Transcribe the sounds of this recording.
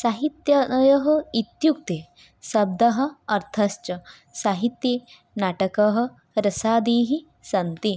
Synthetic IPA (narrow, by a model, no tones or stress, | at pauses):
saɦit̪jɐjɐɦɐ̆it̪juk̚t̪e | sɐb̚d̪ɐɦɐ̆ɐɾt̪ʰɐst͡ʃɐ | saɦit̪ji | naːʈɐkɐɦɐ̆ | ɾɐsaːd̪iːɦi | sɐnt̪i